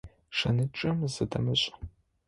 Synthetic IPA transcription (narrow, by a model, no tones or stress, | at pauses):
ʂɐnɨʈ͡ʂʼɨmzɨdɐmɨɕʼ